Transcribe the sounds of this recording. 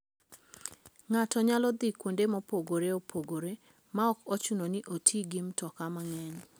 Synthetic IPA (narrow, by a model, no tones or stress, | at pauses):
ŋatɔɲalɔd̪ikwondemɔpoɡoɾeopʰoɡoɾe | maɔkɔt͡ʃunoniʔotʰiɡimtɔkamaŋɛɲ